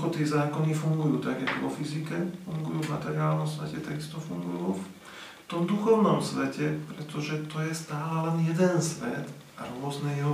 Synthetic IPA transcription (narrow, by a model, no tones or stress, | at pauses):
xɔt̪ɛzaːkɔnifuŋɡujuːt̪aɡjɛt̪uʋɔfizikɛfuŋɡujuːvmat̪ɛɾiaːlnɔmsʋɛcɛt̪aɡist̪ɔfuŋɡujuːf | t̪ɔmd̪uxɔʊnɔmsʋɛcɛpɾɛt̪ɔʒɛt̪ɔjɛst̪aːlɛlɛnjɛd̪ɛnsʋɛ̰d̪ | ɾʊɔznɛjɛɦɔ